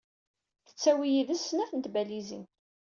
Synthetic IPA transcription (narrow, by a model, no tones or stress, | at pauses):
θə̥t͡sːæwijiðæsːənæfənt̪bælizḭn